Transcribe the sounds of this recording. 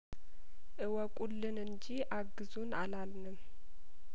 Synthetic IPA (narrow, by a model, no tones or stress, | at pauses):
ʔɨwəkʷʼulːɨnɨɲd͡ʒiʔaɡːɨzunalalnɨm